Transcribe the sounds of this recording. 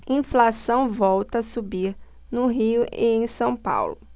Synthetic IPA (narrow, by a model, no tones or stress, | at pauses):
ĩflasɐ̃w̃vɔwt̪ɐsubiɾ | nʊɦiʊʔḛẽj̃sɐ̃w̃pa̰wlʊ